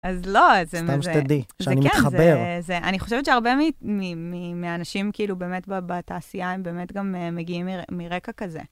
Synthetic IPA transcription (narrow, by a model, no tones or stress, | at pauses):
azlo̞zeamzst̪ad̪iʃzanimietχazbeʁzeʔa̰niχo̞ʃevetʃeaʁbemimimimeanaʃimkiilube̞ːmetbabataːsiaembe̞ːmetɡamemeɡiimːimiʁekakazḛ